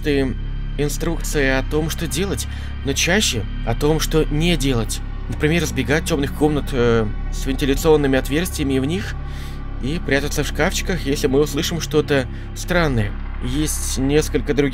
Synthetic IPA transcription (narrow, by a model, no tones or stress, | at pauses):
t̪ɨjə | ɪnst̪ɾuk̚t̪sɨjɪɐt̪o̞mʂt̪o̞dʲe̞lˠətʲ | no̞t͡ɕæɕːɪ | ɐt̪o̞mʂt̪o̞nʲɪdʲe̞lˠətʲ | nəpɾʲɪmʲe̞rzbʲɪɡatʲːo̞mnɨxko̞mnət̪ə | svʲɪnʲtʲɪlʲɪt̪sɨo̞nːɨmʲɪɐt̪vʲe̞rst̪ʲvʲɪjəmʲɪvnʲix | ipɾʲæt̪ət̪səfʂkaft͡ɕɪ̥kəxjesʲlʲɪmɨʊslˠɨʂɨmʂt̪o̞t̪ə | st̪ɾanːəjə | jesʲtʲnʲeskəlʲkəd̪ɾʊɡʲ